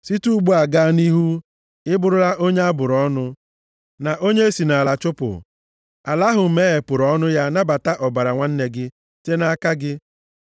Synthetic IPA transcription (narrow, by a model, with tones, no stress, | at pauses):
si˦tu˦ɡ͡bu˦a˨ɡaː˦ni˦ɦu˦ | ɪ˦bʊ˨ɾʊ˦ɾa˦ʔo˦ɲe˦a˦bʊ˨ɾɔ˦nʊ˦ | na˨ʔo˦ɲe˦e˦si˨na˨la˨t͡ʃʊ˦pʊ̰˨ | a̰˨la˦ɦʊ˨m̩˦me˦e˨pʊ˨ɾɔ˦nʊ˦ja˦na˦ba˨ta˦ʔɔ˨ba˨ɾa˨ŋʷa˦n̩˦ne˦ɡɪ˦ | te˦na˦ka˦ɡɪ˦